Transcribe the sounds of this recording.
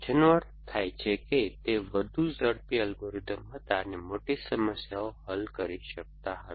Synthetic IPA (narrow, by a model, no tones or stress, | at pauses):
d͡ʒənʋəɾ | t̪ʰajt͡ʃʰeket̪eʋəd̪ʱuzəɽpiəlɡoɾɪt̪əmɦət̪anemoʈisəməsjaoɦəlkəɾiʃək̚t̪aɦə